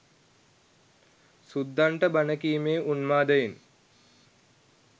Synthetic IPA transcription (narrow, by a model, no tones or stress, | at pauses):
sud̪ːaɳʈəbanəkiːmeːʔunmaːd̪əjin